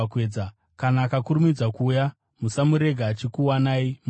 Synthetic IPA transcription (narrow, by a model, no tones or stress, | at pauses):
keːd͡za | kanaːkakuɾumid͡zakuːja | musamuɾe̞ɡʱaːt͡ʃikuwanaim